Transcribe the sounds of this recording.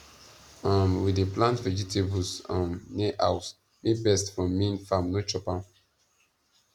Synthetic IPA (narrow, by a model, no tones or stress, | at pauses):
ãmwideplãntvɛd͡ʒitʰebɔsãmneʔa̰ws | mibɛstfɹɔ̃mːĩnfamnot͡ʃɔpã